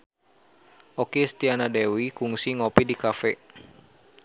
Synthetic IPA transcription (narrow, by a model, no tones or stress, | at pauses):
ʔokest̪ianadɛwikuŋsiŋopidikafɛ